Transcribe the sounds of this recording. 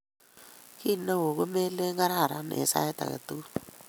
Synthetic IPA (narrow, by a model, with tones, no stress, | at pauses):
ki˦no˦wo˨ɣo˦me˦le˦ŋa˦ɾa˦˨ɾa˨˦nḛ˨sa̰˦jta̰˨ɣa̰˨tu˦